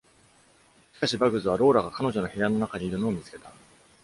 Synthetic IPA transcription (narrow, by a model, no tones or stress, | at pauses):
ɕi̥kaɕibaɡɯ̟zɨβ̞aɾo̞ːɾaɡakano̞ʑo̞no̞çejanːo̞nakaɲ̟iːɾɯ̟no̞ːmʲit͡sɨ̥ke̞̥t̪a